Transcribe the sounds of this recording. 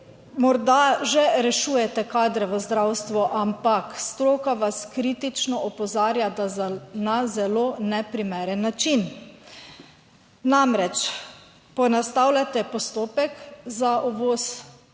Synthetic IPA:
mɔɾd̪aʒɛɾɛʃuːjɛt̪ɛkaːd̪ɾɛʋəzd̪ɾawst̪ʋɔʔampakst̪ɾoːkaʋaskɾit̪it͡ʃnɔɔpɔzaːɾjad̪nazɛloːnɛpɾimɛːɾɛnːat͡ʃin | namɾɛt͡ʃ | pɔnast̪awlʲat̪ɛpɔst̪oːpɛkzaʔɔʋoːs

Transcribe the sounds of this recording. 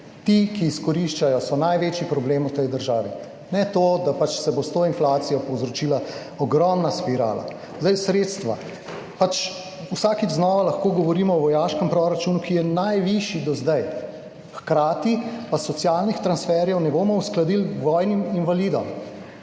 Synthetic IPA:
t̪ikiːskɔɾiʃt͡ʃajɔsɔnajʋeːt͡ʃipɾɔbleːmut̪ɛjd̪əɾʒaːʋi | nɛt̪od̪apat͡ʃsɛbost̪oinflaːt̪sijɔpɔwzɾɔt͡ʃiːla | ɔɡɾɔmnaspiɾa̰ːla̰ | zd̪ajsɾet̪st̪ʋa̰ | pat͡ʃ | usaːkiznɔːʋalaxkoːɡɔʋɔɾiːmɔɔʋɔjaːʃkəmpɾɔɾat͡ʃuːnukijɛnajʋiʃjid̪ɔzd̪aj | xkɾaːt̪ipasːɔt̪sjaːlnixt̪ɾansfɛɾjɛwnɛboːmɔusklad̪ilʋɔjniminʋaliːd̪ɔm

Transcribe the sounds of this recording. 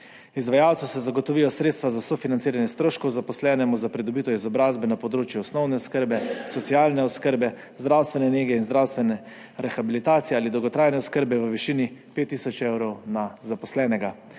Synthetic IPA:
izʋajawt̪susɛzaɡɔt̪ɔʋijɔsɾeːt̪st̪ʋazasɔfinant̪iːɾanjɛst̪ɾoːʃkɔwzapɔslɛːnɛmuzapɾid̪ɔbiːt̪ɔizɔbɾaːzbɛnapɔd̪ɾoːt͡ʃjuɔsnɔwnɛskəɾbɛsɔt̪sialnɛɔskəɾbɛ | zd̪ɾawst̪ʋɛnɛneːɡɛinzd̪ɾawst̪ʋɛnɛ | ɾɛxabilit̪aːt̪ijɛaːlid̪ɔwɡɔt̪ɾaːjnɛɔskəɾbɛʋəʋiʃiːnipeːt̪ːiːsɔt͡ʃewɾɔwnazapɔslɛːnɛɡa

